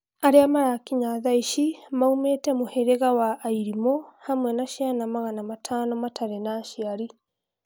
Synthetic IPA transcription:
aɾeamaɾakiɲaðaiʃimaumetɛmohɛɾeɣawaʔːiɾimɔhamwɛnaʃianamaɣanamatʰanɔmatʰaɾɛnaːʃiaɾi

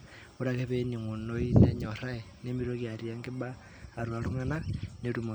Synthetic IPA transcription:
uɾakeβeniŋunoineɲoɾaenemiɾokjaɾjaŋɡebaː | ɾwaluŋananeɾumo

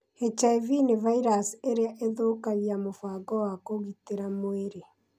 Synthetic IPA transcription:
het͡ʃaivinevaiɾaseɾeaʔeðoːkaɣiamofaːɡɔwakoɣiteɾamoeɾe

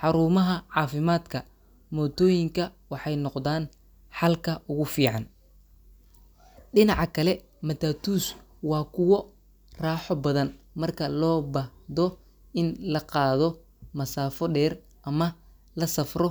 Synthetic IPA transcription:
ħɑɾuːmɐɦɐʕɑːfɪmaːd̪kʰɐ | mɔːt̪ʰɔːjɪŋkʰɐwɑħɑjnɔqd̪aːn | ħɑlkʰɐʔʊɣʊfiːʕɑn | ɖɪnɑʕɑkʰɐlɛ | mɐt̪aːt̪ʰuːswɑːkʰʊwɔ | raːħɔbɐðɐnmɐrkʰɐlɔːbɐd̪ɔ | ɪnlɐqɑːðɔ | mɐsaːfɔɖɛːr | ʔɐmɐ | lɐsɐfrɔ

